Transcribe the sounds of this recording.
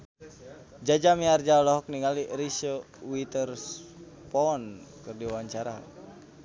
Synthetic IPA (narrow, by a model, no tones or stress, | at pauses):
d͡ʒad͡ʒamiard͡ʒalɔɦɔk̚niŋaliɾiso | wit̪ərspɔnkɨrdiwaɲt͡ʃaɾa